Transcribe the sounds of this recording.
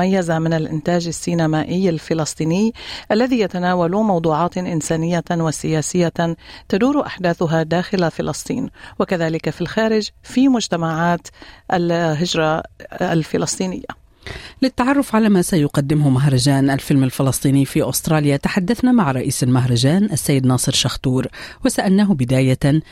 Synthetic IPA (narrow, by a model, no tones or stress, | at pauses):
ajːazamɪnalʔɪ̰nt̪aːd͡ʒasːiːnamaːʔɪjːalfɪlɑsˤt̪ˤiːnɪjʔalːaðiːjat̪anaːwalʊmɑwd̪ˤuːʕɑːt̪ʔɪnsaːnɪjːawasɪjaːsɪjːat̪ad̪uːɾʔa̰ħd̪aːθʊɦad̪aːxɪlafɪlɑsˤt̪ˤḭːnwakaðaːlɪkafilxaːɾɪd͡ʒfimʊd͡ʒt̪amaʕaːt̪ʔalɦɪd͡ʒɾˤɑalfɪlɑsˤt̪ˤiːnɪ̰jːa̰ | lɪt̪ːaʕɑrˤːʊfʕalaːmasajʊqɑd̪ːɪmhʊmaɦɾˤɑd͡ʒaːnʔalfɪlmalfɪlɑsˤt̪ˤiːniːfiːʔʊst̪ɾˤɑːljat̪aħad̪ːaθnamaʕɾˤɑʔiːsalmaɦɾˤɑd͡ʒaːnʔasːajːɪd̪nɑːsˤɨɾʃaxt̪uːɾwasaʔalnaːɦʊbɪd̪aːja